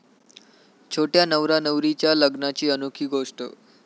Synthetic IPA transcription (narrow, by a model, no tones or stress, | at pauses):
t͡ɕʰoʈjanəʋɾanəʋɾit͡ɕjaləɡnat͡ɕiːənukʰiːɡoʂʈə̰